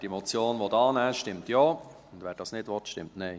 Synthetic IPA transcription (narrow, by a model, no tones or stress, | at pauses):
d̥imɔt͡sjoːnʋodɑːnɛːʃtɪmtjoːʊndʋɛːɾd̥ɑːsnɪdʋɔtʃtɪ̰mtnɛɪ